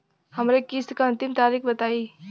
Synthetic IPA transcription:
hɐmɾekiskaɐ̃nt̪ɪmt̪aːɾikbɐt̪aːi

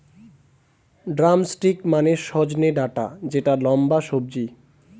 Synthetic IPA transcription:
ɖɾamsʈɾikmaneʃɔd͡ʑneɖaʈa̰d͡ʑeʈalɔmbaʃob̚d͡ʑi

